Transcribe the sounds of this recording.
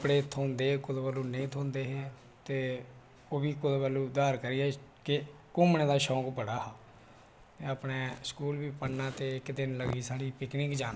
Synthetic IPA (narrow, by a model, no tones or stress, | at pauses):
pɽeːt̪ʰoːnd̪eːkʊd̪bəːluːnəĩːt̪ʰoːnd̪eːɦeː | t̪eː | oːbiːkʊd̪bəːluːd̪aːɾkəɾiɛːkɪ | kʊmnẽːd̪aːʃɔːkbəɽaːɦaː | t̪eːaːpneːskuːlʋiːpənaːt̪eːɪkd̪ɪnləɡiːsaːɽiːpɪknɪkd͡ʒaːn